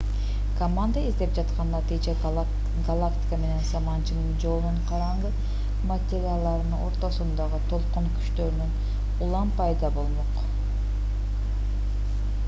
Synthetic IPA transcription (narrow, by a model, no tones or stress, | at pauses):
komand̪əizd̪ep̚d͡ʒɑt̪qɑnd̪ɑt̪ʰet͡ʃe | ɡalˠaktʲi̥kəme̞ne̞nsɑmɑnt͡ʃɯnɯnd͡ʒo̞lˠnuɴqʰɑɾɑɴʁɯ | matʲeɾʲɪalˠd̪ɑɾɯnɯo̞ɾt̪o̞sund̪ɑʁɯt̪ʰo̞lˠqoɴky̥ʃt̪ø̞ɾynyn | ulˠɑmpɑjd̪ɑbo̞lˠmoq